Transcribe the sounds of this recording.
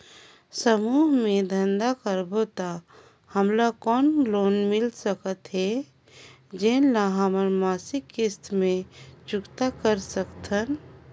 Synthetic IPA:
səmuːɦmẽd̪ʱənd̪akəɾbot̪a | həmlakɔːnloːnmɪlsəkət̪ɦɛ | d͡ʒenlaɦəməɾmaːsɪkːɪst̪mẽt͡ʃʊkt̪akəɾsəkt̪ʰən

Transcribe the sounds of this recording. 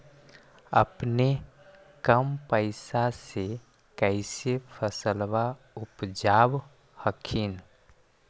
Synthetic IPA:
ə̰pne | kəmpəɪsase | kəɪsepʰəsəlʋa | ʊpd͡ʒaːb | həkʰin

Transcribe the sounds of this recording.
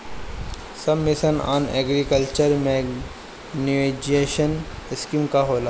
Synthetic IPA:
sɐbmɪsəna̰ːnḛːɡɾikəlt͡ʃəɾmeɡ | niʋed͡ʒeːʃənɪskimkaɦoːlaː

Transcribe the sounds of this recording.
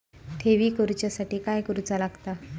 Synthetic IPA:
t̪ʰeʋiːkəɾut͡ɕjasaʈiːkajkəɾut͡salaɡt̪a

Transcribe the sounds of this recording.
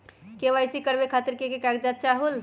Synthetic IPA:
keʋajsikəɾbekʰat̪iɾkekekaɡ̚d͡ʒat̪̚t͡ʃaɦul

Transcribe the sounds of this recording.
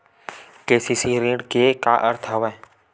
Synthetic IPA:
keːsiːsiɾẽːɖkeka̰ːʔəɾt̪ʰɦəʋa

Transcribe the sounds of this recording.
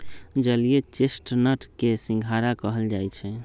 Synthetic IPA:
d͡ʒəliet͡ʃesʈnəʈkesĩŋɡʱaɾakəɦəld͡ʒajt͡ʃʰɛ

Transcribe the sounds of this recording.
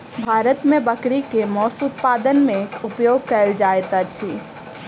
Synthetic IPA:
bʱaːɾət̪mẽbəkɾikemɔːsut̪̚pad̪ənmẽupjoɡ̚kəld͡ʒaet̪ət͡ʃʰi

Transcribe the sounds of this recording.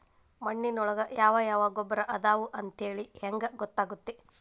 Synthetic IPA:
mɐɳːinɔɭɐɡɐjaːʋɐjaːʋaːɡɔbːɐɾɐʔɐd̪aːʋuʔɐnt̪eːɭiheŋɡɐɡɔt̪ːaːɡut̪ːe

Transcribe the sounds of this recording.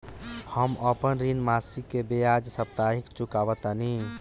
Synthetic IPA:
həməpənɾinmasikːebejad͡ʒsəp̚t̪aɦikt͡ʃukabət̪ani

